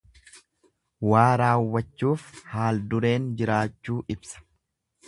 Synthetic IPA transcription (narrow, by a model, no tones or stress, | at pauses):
waːɾaːwːɐt͡ʃːuːfhaːld̪ʊɾe̞ːnd͡ʒɪɾaːt͡ʃːuːʔɪbsɐ̥